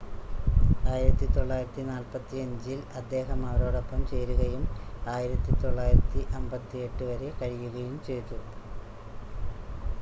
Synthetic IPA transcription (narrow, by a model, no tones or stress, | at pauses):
aːjiɾɐt̪ːit̪o̞ɭːaːjiɾɐt̪ːinaːlpɐt̪ːiɐɲd͡ʑiilɐd̪ːe̞ːɦɐmɐʋɐɾo̞ːɽopːɐmt͡ɕe̞jɾuɣɐjumaːjiɾɐt̪ːit̪o̞ɭːaːjiɾɐt̪ːiʔɐmbɐt̪ːie̞ʈːɨʋɐɾekɐɻijuɣɐjumt͡ɕe̞jt̪ːu